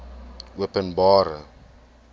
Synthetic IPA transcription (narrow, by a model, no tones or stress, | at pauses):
uəpənbɑːɾə̰